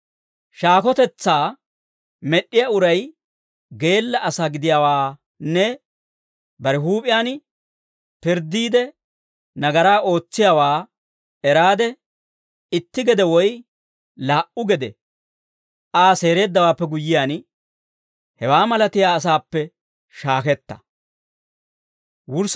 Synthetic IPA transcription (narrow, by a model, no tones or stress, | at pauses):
ʃaːkɔt̪ɛt͡sːaː | mɛɗːɪjaʊɾɐj | ɡe̞ːlːɐʔːsaːɡɪd̪ɪjaːwaː | nɛ | bɐɾɪɦuːpʼɪjaːn | pɪɾd̪ːiːd̪ɛ | nɐɡɐɾaːʔo̞ːt͡sːɪjaːwaː | ɛɾaːd̪ɛ | ɪt̪ːɪɡɛd̪ɛwɔj | laːʔʊɡɛd̪ɛ | ʔaːse̞ːɾe̞ːd̪ːɐwaːpːɛɡʊjːɪjaːn | hɛwaːmɐlɐt̪ɪjaːs̬aːpːɛ | ʃaːkɛt̪ːɐ̥̰ | wʊɾs